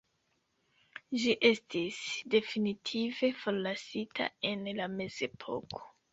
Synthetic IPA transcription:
ʒiʔe̞stisde̞finitʰive̞fo̞ɾlasitʰa̰e̞nlame̞ze̞pʰo̞̰kʰo̥

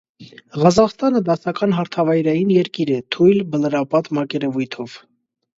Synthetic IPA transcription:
ʁɑzɑχst̪ɑnəd̪ɑsɑkɑnɦɑɾt̪ʰɑvɑjɾɑjinjɛɾkiɾɛt̪ʰujlbələɾɑpɑt̪mɑkɛɾɛvujt̪ʰɔv̥

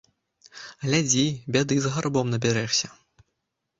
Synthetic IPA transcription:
ɣlʲad͡zʲibʲad̪ɨzɣarbɔmnɐbʲɛɾɛʂsʲɐ

